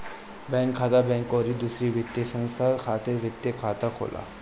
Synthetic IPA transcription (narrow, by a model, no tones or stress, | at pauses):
bɛ̃ŋkʰːat̪abɛ̃ŋkɔɾiːd̪usɾiʋʱit̪ːjesə̃ŋst̪ʰaɾkʰat̪eɾʋit̪ːjekʰat̪akʰo̰lʔa̰